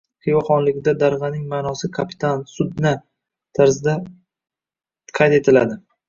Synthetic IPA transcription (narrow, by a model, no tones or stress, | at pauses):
hejɒχɒnlɪɡʲɪd̪ad̪aɾʁɑnɪŋmaːnɒsɪkʰapʰɪ̥t̪ʰansʊd̪na | t̪ʰaɾzɪd̪a | qʰɑjt̪e̞t̪ʰɪlad̪ɪ